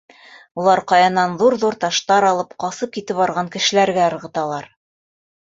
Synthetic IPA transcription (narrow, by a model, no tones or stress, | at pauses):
ulˠɑɾqɑjɑnɑnðuɾðuɾt̪ɑʃt̪ɑɾɑlˠɤpqɑsɤp̚kit̪ɘpɑɾʁɑŋkɘ̆ʃɘ̆læɾɡæɤ̆ɾʁɤ̆t̪ɑlˠɑɾ